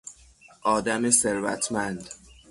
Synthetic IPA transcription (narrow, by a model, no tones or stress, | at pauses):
ʔɒːd̪æmeseɾvæ̰t̪ʰmænd̪